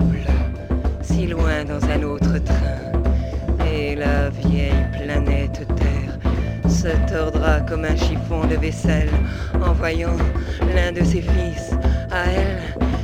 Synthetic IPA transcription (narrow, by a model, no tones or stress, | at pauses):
l | silwɛ̃d̪ɑ̃zɛ̃not̪χət̪χɛ̃ | elavjɛjplanɛt̪t̪ɛʁsət̪ɔʁd̪ʁakɔmɛ̃ʃifɔ̃d̪əvɛsɛlɑ̃vwajɑ̃lɛ̃d̪əsefisaɛl